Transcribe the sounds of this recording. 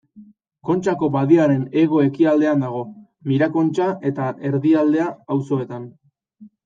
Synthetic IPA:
ko̞nt͡ʃako̞βaðiaɾe̞ne̞ɣ̞o̞e̞kiald̪e̞and̪aɣ̞o̞ | miɾako̞nt͡ʃaʔe̞t̪aʔe̞ɾðiald̪e̞aːwso̞e̞t̪an

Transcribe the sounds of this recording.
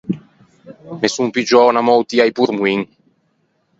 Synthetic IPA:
mesumpid͡ʒɔːnamɔwt̪iajpuɾmwiŋ

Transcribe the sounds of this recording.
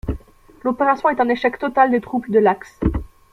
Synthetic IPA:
lopeʁasjɔ̃ɛt̪ɛ̃neʃɛkt̪ɔt̪ald̪et̪χupd̪əlaks

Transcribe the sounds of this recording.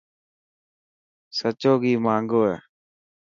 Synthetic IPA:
sət͡ʃoːɡiːmaːŋɡoːɛː

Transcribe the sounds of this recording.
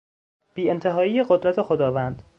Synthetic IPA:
b̥iːent̪ʰeɦɒːiːjeɢod̪ɾæt̪ʰe̞xod̪ɒːvænd̪̥

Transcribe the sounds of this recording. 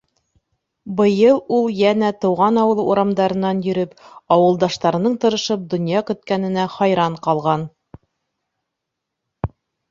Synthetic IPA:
bɤ̆jɤlˠulˠjænæt̪ɤ̆wʁɑnɑwɤ̆lˠɤuɾɑmd̪ɑɾɤ̆nːɑnjɵ̆ɾɘpɑwɤ̆lˠd̪ɑʃt̪ɑɾɤ̆nɤɴt̪ɤ̆ɾɤ̆ʃɤp̚d̪ŏnjɑkɵ̆t̪kænɘ̆næχɑjɾɑɴqɑlˠʁɑn

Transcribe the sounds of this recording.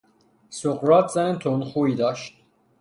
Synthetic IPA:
soqɾɒːt̪ʰz̥ænet̪ʰonxuːiːd̪ɒːʃt̪

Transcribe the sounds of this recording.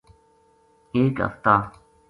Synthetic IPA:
eːkɦə̰ft̪aː

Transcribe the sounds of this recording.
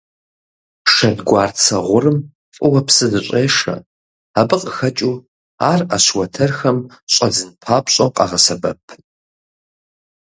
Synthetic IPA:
ʂɐdɡʷaːrt͡sʰɐʁʷʊrɨm | fʼʊwɐpsɨzɨɕʼeːʂɐ̰ | abɨqʼəxɐt͡ʃʼuː | a̰ːrɐɕwɐtʰɐrxɐmɕʼɐd͡zɨnpʰaːpɕʼɐwqʼɑ̰ʁɐsɐbɐpʰ

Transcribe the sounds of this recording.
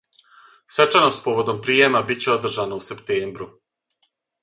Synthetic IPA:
sʋe̞t͡ʃanost̪̚po̞ʋo̞d̪o̞mpɾijemabit̚t͡ɕe̞o̞d̪r̩ʒanausept̪eːmbɾu

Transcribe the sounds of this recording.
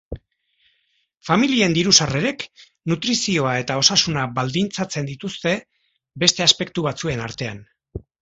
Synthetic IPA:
familie̞nd̪iɾusare̞ɾe̞k | nut̪ɾisio̞ae̞t̪ao̞sasunaβald̪int͡sat͡se̞nd̪it̪ust̪e̞ | be̞st̪e̞aspe̞k̚t̪uβat͡sue̞naɾt̪e̞an

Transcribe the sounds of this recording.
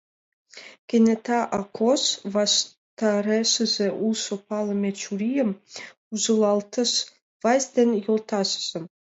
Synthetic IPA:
kʲĕnʲet̪ɑʔɑkʰosvɑʃ | t̪ɑɾeʃɘ̆zeʔulˠsopɑlˠɤ̆mʲet͡ɕuɾʲijə̆m | uzɤ̆lˠɑlˠt̪ɤ̆ʃ | vɑsʲd̪ʲenʲjolˠt̪ɑʃə̥̆z̥ĕm

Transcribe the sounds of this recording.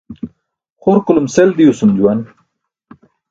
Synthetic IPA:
χoɾkulumseld̪ijusumd͡ʑuwan

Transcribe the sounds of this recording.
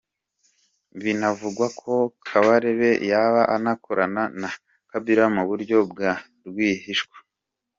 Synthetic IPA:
βinavuɡwakʰo̞kʰaβaɾeβe̞jaβaʔanakoɾanana | kabiɾamoβuɾɟo̞b̚ɡa | ɾɡwiːɦiʃkwḁ

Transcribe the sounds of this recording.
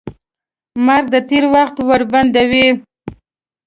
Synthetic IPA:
maɾɡ̚d̪ət̪eɾwaxt̪waɾband̪awi

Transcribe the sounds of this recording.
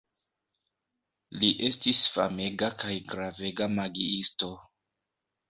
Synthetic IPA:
liʔe̞stisfa̰me̞ɡakajɡɾave̞ɡamaɡiisto̞

